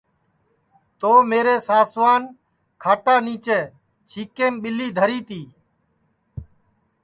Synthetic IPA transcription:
t̪oːmeːɾeːsaːsʋaːn | kʰaːʈaːniːt͡ʃeː | t͡ʃʰiːkeːmɓɪliːd̪ʱəɾiːt̪iː

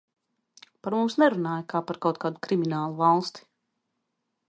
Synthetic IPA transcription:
paɾmumsnɛɾunaːjakaːpaɾkawt̪̚kaːd̪ukɾiminaːlˠuvalˠst̪i̥

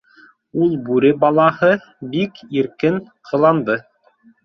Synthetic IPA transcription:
ulˠbʉɾɘbɑlˠɑhɤ | bikiɾkɘn | qʰɤ̆lˠɑnd̪ɤ

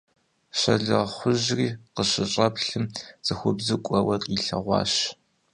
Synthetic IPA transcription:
ɕɐɮɨʁχʷʊʑriːqəɕɪɕʼɐpɬɨmz̥ɨxʷʊbzɨkʷʼɔwɐrʼiɬɐ̰ʁʷɑ̰ːɕ

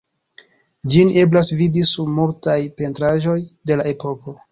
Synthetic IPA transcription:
d͡ʒine̞blasvidisubmultajpe̞ntɾaʒo̞jde̞lae̞po̞ko̞

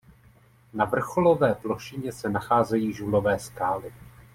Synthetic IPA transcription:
navr̩xo̞lo̞vɛːplo̞ʃɪɲɛsɛnaxaːzɛjiːʒulo̞vɛːskaːlɪ

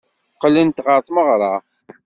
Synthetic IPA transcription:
qːlːint̪ʁəɾˤt̪ˤməʁɾˤɑ

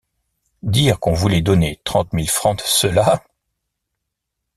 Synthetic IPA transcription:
d̪iʁkɔ̃vulɛd̪ɔnet̪χɑ̃t̪milfχɑ̃t̪səla

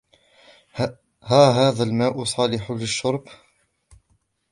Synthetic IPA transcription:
haːɦaːðalmaːʔʊsˤɑːlɪħʊlɪʃːʊɾˤb

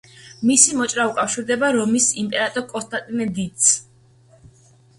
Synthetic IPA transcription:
misimɔt͡ʃʼɾaukʼafʃiɾd̪ɛbaɾɔmisimpʼɛɾat̪ʼɔɾkʼɔst̪ʼat̪ʼimɛd̪it̪s

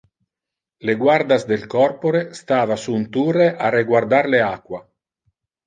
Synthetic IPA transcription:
leɡward̪azd̪elkɔrpoɾest̪aːvasunt̪ureʔareɡward̪aɾleakwa

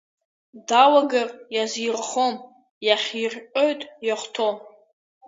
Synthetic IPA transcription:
dawaɡarjazirχom | jaχʲirʲqʼo̞jtʼjaχʷtʰo̞m

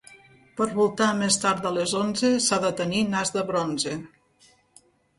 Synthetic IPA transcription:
pəɾβulˠt̪amest̪aɾd̪əlezonzesaðət̪əninazðəβɾonze

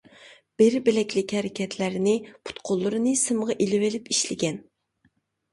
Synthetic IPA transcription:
b̥ɪɾbɪlɛkʲlɪkʲhɛɾɪkʲʰɛt̪ʰlæɾnɪpʰu̥t̪qʰolˠːʊɾɨnɨsɨmʁɑʔilɪwelɪpiʃlɪɡʲɛn

